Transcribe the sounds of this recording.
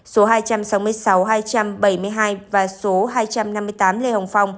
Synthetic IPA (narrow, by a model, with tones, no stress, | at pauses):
so˨˦ɦaː˧jt͡ɕa˧msa˨˦wmɨ˧əjsa˨˦wɦaː˧jt͡ɕa˧mɓə˧˩jmɨ˧əjɦaː˧jvaː˨˩so˨˦ɦaː˧jt͡ɕa˧mna˧mːɨ˧ət̪aː˨˦mle˧hə˨˩wŋ͡mfa˧wŋ͡m